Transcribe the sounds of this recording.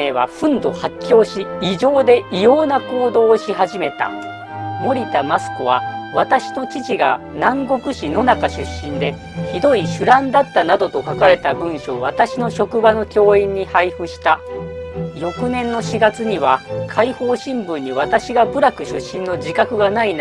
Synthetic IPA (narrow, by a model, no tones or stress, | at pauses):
eːβa̰ɸɯ̟̃nd̪o̞hakʲːo̞ːɕiːʑo̞ːd̪e̞ʔijo̞ːnako̞ːd̪o̞ːɕiɦaʑime̞t̪a̰ | mo̞ɾʲit̪amasɨ̥koβ̞a̰βat̪aɕi̥no̞t͡ɕit͡ɕiɡa̰ | nãŋɡo̞kɯ̟ɕino̞nakaɕɨɕːĩnd̪e̞ | çid̪o̞iɕɨɾãnd̪at̪ːanad̪o̞t̪o̞kakaɾe̞t̪abɯ̟̃ɰ̃ɕo̞ːβat̪aɕino̞ɕo̞kɯ̟bano̞kʲo̞ːĩɲ̟ːihaiɸɯ̟ɕi̥t̪a | jo̞kɯ̟nẽ̞nːo̞ɕiɡat͡sɨɲ̟iβakʰaiho̞ːɕĩmbɯ̟̃ɲ̟ːiβat̪aɕiɡabɯ̟ɾakɯ̟ɕɨ̰ɕːĩnːo̞d͡ʑikakɯ̟ɡanain